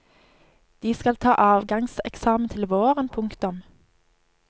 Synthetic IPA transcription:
d̪̥iːskɑlt̪ʰɑːʔɑːʋɡɑŋsɛ̰ksɑːmən̩t̪ʰɪlʋoːʁənpʰʊŋkt̪ʊm

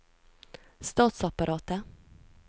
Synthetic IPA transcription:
st̪ɑːt̪sɑpɑɾʔɑːt̪ə

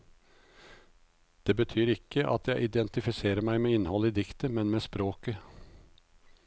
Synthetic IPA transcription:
d̪̥eːbət̪ʰyːɾɪkʰːəʔɑ̰t̪ʰjæɪʔɪd̪ɛnt̪ɪfɪseːɾəmæɪmeːɪnəhɔləiːd̪ɪkt̪əmɛnmeːspɾoːkə

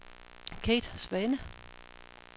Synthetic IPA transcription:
kʰeːd̥sʋɛnə

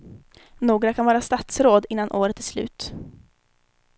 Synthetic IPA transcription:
noːɡɾakʰanvɑːɾast̪at̪sɾoːd̪ɪnːanʔoːɾət̪æʂlʉ̟̰ːt̪

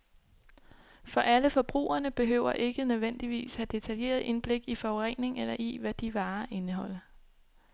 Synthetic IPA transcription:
fɒ̽ʔæləfɒ̽b̥ʁṵːɐnəb̥e̝ɦø̰ʊ̰ɐʔe̝ɡ̥ənøðˠʋen̰d̥iʋḭːshæd̥e̝t͡sʰælje̝̰ːɐð̩ˠʔe̝nb̥le̝ɡ̥ifɒʊʁɛŋ̰ne̝ŋelɐʔiʋæd̥iʋɑ̈ːʔe̝nəɦɒ̽l̰ɐ

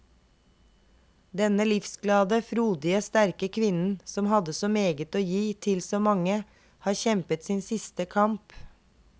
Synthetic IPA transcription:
d̪ɛnəlɪfsɡlɑːd̪əfɾuːd̪ɪəst̪æɾkəkʰʋɪnn̩sɔmhɑd̪əsɔmeːɡət̪oːjiːt̪ʰɪlsɔːmɑŋə | hɑːɾçɛmpət̪siːnsɪst̪əkʰɑmp

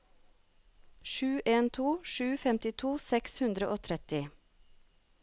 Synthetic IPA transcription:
ʃʉːʔeːnt̪ʰuːʃʉːfɛmt̪ɪt̪ʰuːsɛkshʉnd̪ɾəʔoːt̪ʰɾɛt̪ɪ

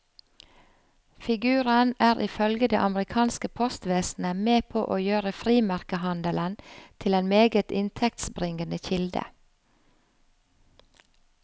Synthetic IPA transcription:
fɪɡʉːɾənʔæːɾʔɪfœlɡəd̪ḛːʔɑməɾɪkʰɑːnskəpʰɔst̪ʋeːsn̩əmeːpʰo̰ːʔoːjøːɾəfɾiːmæɾkəhɑnd̪ələnt̪ʰɪleːnmeːɡət̪ɪnt̪ʰɛk̚t̪sbɾɪŋənəçɪld̪ə̰

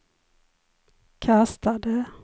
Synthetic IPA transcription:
kʰast̪ad̪ə

